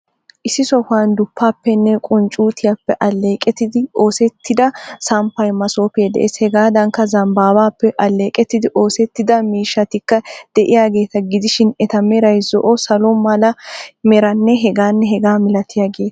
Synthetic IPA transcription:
ʔɪsːɪsɔfaːnd̪ʊpːaːpːɛnːɛkʼʊnt͡ʃʼuːt̪ɪjapːɛʔɐlːeːkʼɛt̪ːɪd̪ɪoːsɛt̪ʰːɪd̪ɐsɐmpːɐjmɐso̞ːped̪ɛ̰ʔeːshɛɡaːd̪ɐŋkːɐzɐmbaːbaːpːɛʔɐlːe̞ːkʼɛt̪ːɪd̪ɪʔoːsɛt̪ːɪd̪ɐmiːʃːɐt̪ɪkːɐd̪̥ɛʔɪjaːɡe̞ːt̪ɐɡɪd̪ɪʃɪnɛt̪ɐmɛɾɐjzɔʔɔsɐlɔmɐlɐmɛɾɐnːɛɦɛɡaːnːɛɦɛɡaːmɪlɐt̪ʰɪjaːɡe̞ːt̪ɐ̥

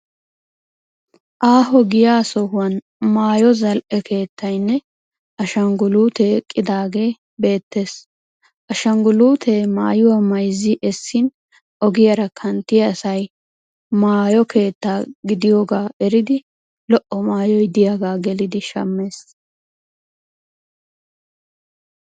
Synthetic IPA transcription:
ʔaːɦɔɡɪjaːsɔhʊwɐn | maːjɔzɐlʔɛkʰe̞ːt̪ːɐjnːɛ | ɐʃɐŋɡʊluːt̪ekʼːɪd̪aːɡe̞ː | be̞ːt̪ːe̞ːs | ʔɐʃɐŋɡʊluːt̪ʰema̰ːjʊwamɐjzɪʔɛsːɪn | ʔɔɡɪjɐɾɐkʰɐnt̪ːɪjɐsɐj | maːjɔke̞ːt̪ːaːɡɪd̪ɪjoːɡaːɛɾɪd̪ɪ | lɔʔːɔmaːjɔjd̪ɪjaɡaːɡɛlɪd̪ɪʃɐ̰mːe̞ːs

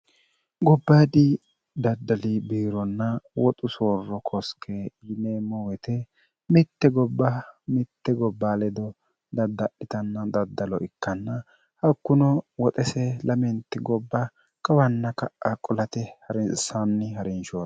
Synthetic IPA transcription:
ɡɔbːad̪ɪ | d̪ɐd̪ːɐlibiːɾɔnːɐwɔt̪ʼʊsoːrːɔkʰɔskʰeneːmɔwɛt̪ɛ | mɪt̪ːɛɡɔbːɐmɪt̪ːɛɡɔbːaːlɛd̪ɔ | d̪ɐd̪ːɐʔɪt̪ɐnːɐd̪ɐd̪ːɐlɔʔɪkːɐnːɐ | hɐkːʊnɔwɔt̪ʼɛsɛlʔɐmɛnt̪ːɪɡɔbːɐ | kʼɐwɐnːɐkɐʔakʼɔlɐt̪ɛhɐɾsanːɪɦɐɾɪnʃoː

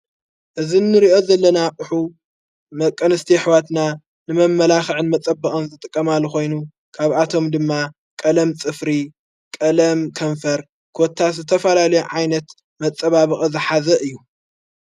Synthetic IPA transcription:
ʔɨzinːɨɾiʔo̞zɐlːɐnaʔʼʊħu | mɐkʼːɐnɨst̪ʰiħwat̪na | nɨmɐmːɐlaxɨʕɨnmɐt͡sʼɐbːɐχʼɐnzɨt̪ʼɨkʼːɐmalːxo̞jnu | kʰaβʔat̪ʰo̞md̪ɨmːa | kʼɐlɐmt͡sʼɨfɾi | kʼɐlɐmkʰɐɱfɐɾ | kʰot̪ʰːazɨt̪ʰɐfɐlalɐjuʕajnɐt̪ | mɐt͡sʼːɐβaβɨχʼɨzɨħazɐʔɨjːu

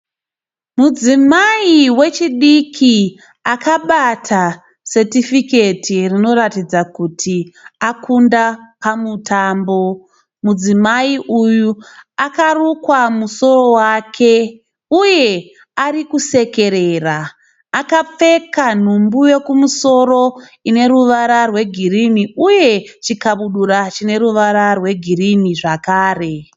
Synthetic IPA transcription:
mud͡zimaiwe̞t͡ʃiɗikʰi | akaɓatʰa | se̞tifike̞tʰirino̞ɾatid͡zakutʰiakʰundapamutaːmbo̞ | mud͡zimaiʔujuakarukwamuso̞ro̞wakʰe̞ | uje̞ | aɾikuse̞ke̞ɾeraː | kap͡fe̞kan̤umbuje̞kumuso̞ro̞ | ine̞ɾuʋaɾarwe̞ɡʱiriniuje̞t͡ʃikaɓuɗuɾat͡ʃine̞ɾuʋaɾarwe̞ɡʱiriniʐakaːre̞

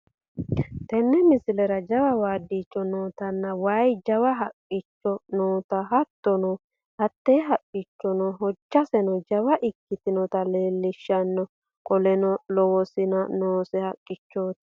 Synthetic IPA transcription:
t̪ɛnːɛmɪsɪlɛɾɐd͡ʒɐwɐwaːd̪it͡ʃʼːɔnoːt̪ɐnːɐwajd͡ʒɐwɐɦɐkʼːɪt͡ʃːɔnoːt̪ɐɦɐt̪ːɔnɔ | hɐt̪ːeɦɐkʼːɪt͡ʃːɔnɔɦɔt͡ʃːɐsɛnɔd͡ʒɐwɐʔɪkːɪt̪ɪnɔt̪ɐleːlːɪʃːɐnːɔ | kʼɔlɛnɔlɔwɔsɪnɐnoːsɛhɐkʼːɪt͡ʃːoːt̪

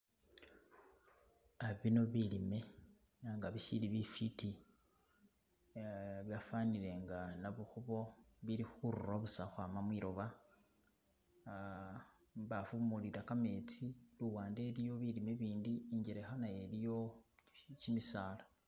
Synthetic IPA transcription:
aβino̞βilime̞ | ŋɡaβiʃiliβifiti | βjafaniɾe̞ŋɡanaβuxuβo̞βiɾixuɾuraβusaxwamamwiɾo̞βa | βafumuliɾakame̞t͡siluwaːnde̞ɾijo̞βilime̞βiːndiːɲɟeɾexanaje̞lijo̞ | cimisaːlḁ

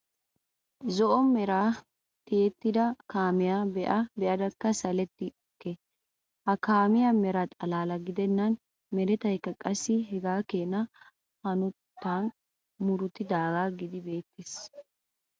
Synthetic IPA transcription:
zɔʔɔmɛɾaː | t̪eːt̪ːɪd̪ɐkaːmɪjaːbɛʔɐbɛʔɐd̪ɐkːɐsɐlɛt̪ːɪɔkːɛ | hɐkaːmɪjamɛɾat̪ʼɐlaːlɐɡɪd̪ɛnːɐn | mɛɾɛt̪ɐjkːɐkʼɐsːɪɦɛɡaːkeːnɐ | hɐnʊt̪ːaːn | mʊɾʊt̪ːɪd̪aːɡaːɡɪd̪ɪbe̞ːt̪ːɪs

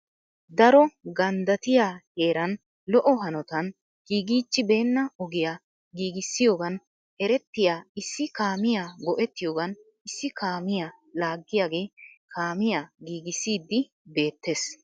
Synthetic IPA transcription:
d̪ɐɾɔɡɐnd̪ɐt̪ɪjaːhe̞ːɾɐn | lɔʔɔɦɐnɔt̪ɐn | ɡ̥iːɡiːt͡ʃːɪbe̞ːnːɐɔɡɪjaː | ɡiːɡɪsːɪjo̞ːɡɐn | ɛɾɛt̪ːɪjaːɪsːɪkaːmɪjaːɡɔʔɛt̪ːɪjo̞ːɡɐn | ɪsːɪkʰaːmɪjaː | laːɡːɪjaːɡe̞ːkʰaːmɪjaːɡiːɡɪsːiːd̪ːɪ | be̞ːt̪ːe̞ːs

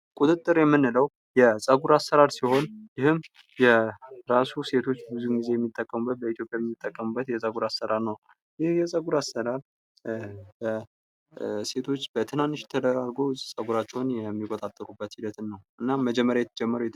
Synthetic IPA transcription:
kʼut̪ʼɨt̪ʼːɨɾjɛmːɨnːɨləw | jɛsʼəɡuɾasːəɾaɾsiho̞njɪhɨm | jɛɾasuse̞t̪ʰo̞t͡ʃːbɨzunɡize̞jɛmːit̪ʼːəkʼːəmubːət̪̚bəit̪ʰjopʼjajɛmːit̪ʼːəkʼːəmubːət̪jɛsʼəɡuɾasːəɾaɾnəw | jɪhjɛsʼəɡuɾasəɾaɾ | bə | se̞t̪ʰo̞t͡ʃːb̥ət̪ʰɨnant̪ɨʃt̪ʰəd̪əɾaɾɡo̞sʼəɡuɾat͡ʃːɛwnjɛmːikʼot̪ʼat̪ʼːəɾubːət̪hid̪ət̪nːəwʔɨnːaməd͡ʒɛmːəɾjajɛt̪ʰəd͡ʒɛmːəɾujɛ

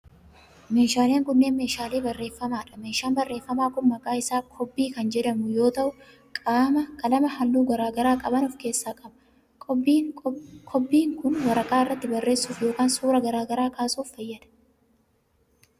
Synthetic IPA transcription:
me̞ːʃaːleːŋkʊnːe̞ːnme̞ːʃaːle̞ːbɐrːe̞ːfːɐmaːᶑɐ̥me̞ːʃaːnbɐrːe̞ːfːɐmaːkʊnmɐkʼaːɪsaːkʰɔbːiːkɐnd͡ʒɛᶑɐmʊjo̞ːt̪ɐʔʊ | kʼaːmɐkɐlɐmɐɦɐlːuːɡɐɾaːɡɐɾaːkʼɐbɐnɔfke̞ːsːaːkʼɐbɐ̥ | kʰɔbːiːŋkʊnwɐɾɐkʼaːɪrːɐt̪ːɪbɐrːe̞ːsːuːfjo̞ːkaːnsuːɾɐɡɐɾaːɡɐɾaːkaːsuːfːɐjːɐd̪ɐ̥

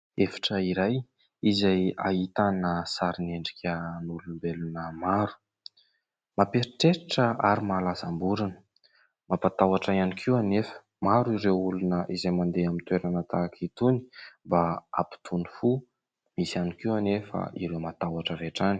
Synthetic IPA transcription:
efḁʈ͡ʂəiɾaj | izaja̰it̪anəsaɾineɳɖ͡ʐi̥kʲʰənulunbelunəmaɾu̥ | mapeɾiʈ͡ʂeɾiʈ͡ʂəaɾimalasambuɾinə̥ | mapat̪awaʈ͡ʂaianikʰiwanefə̥ | maɾuiɾewulunəʔizajmand̪eamint̪weɾanət̪akʰit̪uni̥mbaa̰pi̥t̪ʰunifu | misanikiwanefə̰ʔiɾewmat̪awaʈ͡ʂəɾeʈ͡ʂani̥

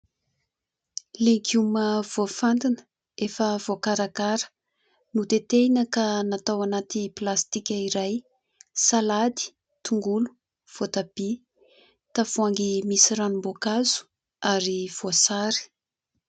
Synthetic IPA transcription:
leɡuməv̥ofand̪inə̥ | efəvokaɾakaɾə̥ | nut̪et̪enəkanat̪awanat̪iplast̪ikʲəiɾaj | salad̪i̥ | t̪uŋɡulu̥ | v̥ot̪ab̥i | t̪afuaŋɡimisiɾanumbokazu̥ | aɾiv̥oasaɾi̥

